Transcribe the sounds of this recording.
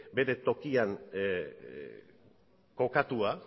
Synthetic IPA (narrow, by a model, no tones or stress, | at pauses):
be̞ɾe̞t̪o̞kian | ko̞kat̪ua